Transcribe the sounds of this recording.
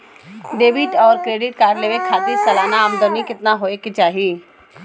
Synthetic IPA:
ɖeːbɪʈɔːɾkɾeːɖɪʈ̚kaːɾleːʋekʰaːt̪isɐlaːnaəmd̪əɾnikɪt̪naɦoːekit͡ʃaːɦiː

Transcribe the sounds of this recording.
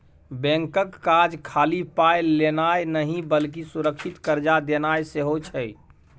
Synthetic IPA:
bɛ̃ŋkəkːad͡ʒkʰaːlipaelenaenəɦĩbəlk̬isuɾəkʃit̪kəɾd͡ʒad̪enajseɦot͡ʃʰəi

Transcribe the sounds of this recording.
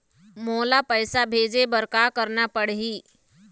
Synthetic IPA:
molapəjsabʱed͡zebəɾkakəɾɳapəɽɦiː

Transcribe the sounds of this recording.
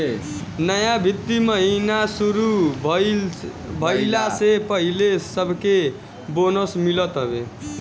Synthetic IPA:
nəjabʱit̪ːiməɦinasuɾu | bʱəjlasepəɦilesəbʱke | bonosmilət̪ɦobe

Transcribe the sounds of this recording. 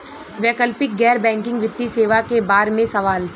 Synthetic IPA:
ʋɛːkəlpɪk̚ɡɛːɾbɛ̃ːŋkɪ̃ŋɡʋɪt̪ːiseːʋakebaːɾmẽsɐʋaːl

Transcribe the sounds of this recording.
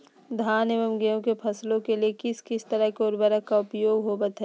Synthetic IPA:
d̪ʱaːneːʋəmɡɛjõkepʰɐslõkeliekɪskɪst̪əɾəɦkeoːɾbəɾəkaʊpjoːɡɦobɐt̪ɦɛ

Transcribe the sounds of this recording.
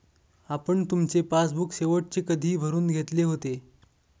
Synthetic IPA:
apəɳt̪umt͡sepasbukseʋəʈ̚t͡ɕeːkəd̪ʱiːbʱəɾuːnɡʱet̪leɦot̪e

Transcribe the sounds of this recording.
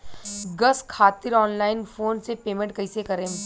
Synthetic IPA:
ɡɐskʰaːt̪ɪɾɔːnlaːɪnfʰoːnsepeːmẽɳʈ̚kɐisekɐɾẽː

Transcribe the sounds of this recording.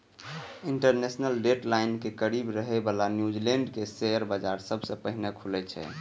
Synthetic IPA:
iɳʈəɾnesnəlɖeʈlaɪnkekəɾibɾəɦɛbalanjud͡ʒileɳɖkesejəɾbəd͡ʒaɾsəbʱsə̃pəɦinekʰulɛt͡ʃʰɛ̰

